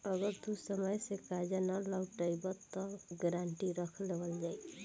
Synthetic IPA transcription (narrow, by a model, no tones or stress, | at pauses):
əɡəɾd̪usəməjsekad͡ʒənalawʈəjbət̪ɔɡəɾaɳʈiɾəkʰlebəld͡ʒaj